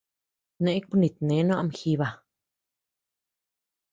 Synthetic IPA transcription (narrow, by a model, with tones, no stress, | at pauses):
nẽ˧˦k͡pu˦nĩ˨t̪̚nẽ˨˦nw̃a˧mxi˧βa˧˨